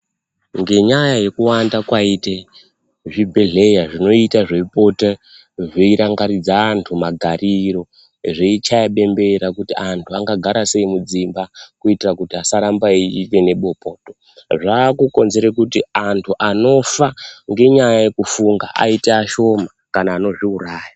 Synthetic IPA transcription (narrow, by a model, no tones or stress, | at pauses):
ŋɡe̞ɲajaje̞kuwandakwaite | ʐibʱeɮe̞jaʐino̞itaʐe̞ipo̞te | ʐeiɾaŋɡaɾid͡zaːntʰumaɡʱariɾo̞ | ʐeit͡ʃajaɓe̞mbe̞ɾakutiantʰuaŋɡaɡʱaɾase̞imud͡zimbakuitirakutiasaɾambaiite̞ne̞ɓo̞po̞ːto | ʐaːkuko̞nze̞ɾekutiantʰuʔano̞faŋɡe̞ɲajaje̞kufuŋɡaʔa̰iteaʃo̞ma | kanaːno̞ʐiuraːja